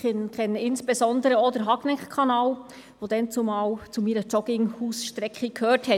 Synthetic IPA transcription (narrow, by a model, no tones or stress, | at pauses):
ɪnkʰɛnɪnsb̥ezɔndəɾəɔd̥əɾɦɑɡnɛkkʰɑnɑːl | ʋod̥̪ɛnt͡sʊmɑːlt͡sumiːɾət͡ʃɔɡ̥ɪŋhuːsʃtɾɛkχəkhøːthɛ